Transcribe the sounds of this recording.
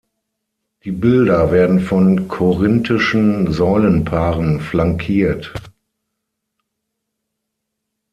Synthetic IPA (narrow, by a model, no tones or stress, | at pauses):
d̥iːbɪldɐveːɐdn̩fɔnkʰoʁɪntʰɪʃn̩zɔʏlənpʰaːʁənflaŋkʰiːɐt